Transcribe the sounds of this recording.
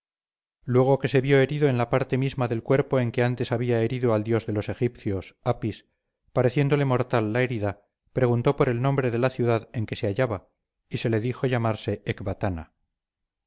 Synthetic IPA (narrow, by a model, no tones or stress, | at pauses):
lwe̞ɣ̞o̞ke̞se̞βjo̞eɾiðo̞enlapaɾt̪e̞mizmaðe̞lkwe̞ɾpo̞e̞ŋke̞ant̪e̞saβ̞iae̞ɾiðoald̪jo̞zðe̞lo̞se̞xipθjo̞sapis | paɾe̞θje̞nd̪o̞le̞mo̞ɾt̪alːae̞ɾiða | pɾe̞ɣunt̪o̞po̞ɾe̞lnõ̞mbɾe̞ðe̞laθjuðaðe̞ŋke̞se̞aʝaβa | isele̞ðixo̞ʝamaɾse̞ekβat̪ana̰